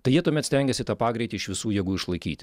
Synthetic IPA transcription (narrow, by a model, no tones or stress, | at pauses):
t̪ɐɪjiɛt̪uɔmʲɛt̪sʲt̪ʲɛŋʲɡʲɛsʲɪt̪ɑːpɑːɡɾʲɛɪt̪ʲɪɪʃʋʲɪsuːjɛɡuːɪʃlˠɐɪkʲḭːt̪ʲ